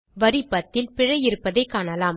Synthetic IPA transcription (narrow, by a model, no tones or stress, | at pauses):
ʋɐɾɪpːɐt̪ːɪlpɪɻɐjɪɾɯpːɐðɐɪkːaːnɐlaːm